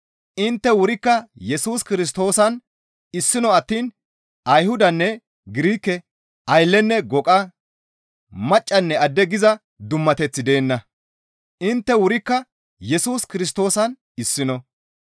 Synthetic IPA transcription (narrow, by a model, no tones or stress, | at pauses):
ʔɪnt̪ːɛwʊɾɪkːɐjɛsuːskɪɾɪs̬t̪o̞ːsɐn | ɪsːɪnɔɐt̪ːiːn | ʔɐjhʊd̪ɐnːɛ | ɡɪɾiːkːɛ | ʔɐjlːɛnːɛɡɔkʼɐ | mɐt͡ʃʼːɐnːɛɐd̪ːɛɡɪzɐ | d̪ʊmːɐt̪ɛt͡sːɪd̪e̞ːnːɐ | ʔɪnt̪ːɛwʊɾɪkːɐ | jɛsuːskɪɾɪs̬t̪o̞ːsɐn | ɪsːɪnɔ